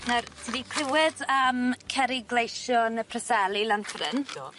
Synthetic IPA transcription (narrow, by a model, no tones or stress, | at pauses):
nartʰidikʰrɪwɪdəmkʰɛɾɪɡlejʃjɔnəpʰrəsɛlˠilanfrɪ̰n